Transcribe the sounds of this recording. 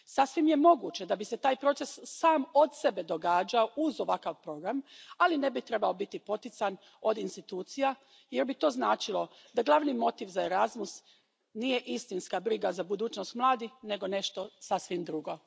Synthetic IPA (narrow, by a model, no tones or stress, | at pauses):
sasʋimje̞mo̞ɡut͡ʃe̞d̪abise̞t̪aːjpɾo̞t̪se̞sːaːmod̪sebe̞d̪o̞ɡaːd͡ʒaoʔuzo̞ʋakaʋpɾo̞ɡɾamaline̞bit̪ɾe̞baobit̪ipo̞t̪it̪san | o̞d̪inst̪it̪uːt̪sija | jeɾbit̪o̞ːznaːt͡ʃilo̞ | d̪aɡlˠaʋnimo̞t̪iːʋzaeɾazmus | nije̞ʔist̪inskabɾiɡazabud̪uːt͡ʃnost̪mlˠaːd̪ixne̞ɡo̞ne̞ʃt̪o̞sasʋimd̪ɾuɡo̞